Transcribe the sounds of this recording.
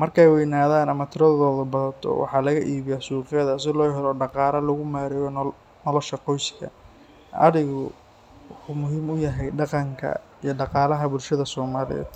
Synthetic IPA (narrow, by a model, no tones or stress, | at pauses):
mɐrkʰɛjwɛjnaːðaːnɐmɐt̪ʰɪɾɐððɔːðɐbɐðɐt̪ʰɔ̰wɑ̰ħɑːlɐɣɐʔiːβɪjasuːqɛðɐs̬ɪlɔːɦɛɾɔɖɑqɑːlɐlɐɣʊmaːɾɪjɔ | nɔlɔʃɐqɔjskʰɐ̰ | ʔɐ̰ðɪɣʊ | wʊħuːmʊɦiːmʊjɐɦɛjɖɑqɑŋkʰɐ̰ | ijɞɖɑqɑːlɐɦɐbʊlʃɐðɐsɔːmaːlɪ̰jɛ̰ːd̪̥